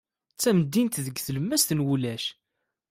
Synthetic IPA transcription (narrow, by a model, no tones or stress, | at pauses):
t͡sːæməd̪ːint̪ðəɡθələmːæst̪ənwulæʃ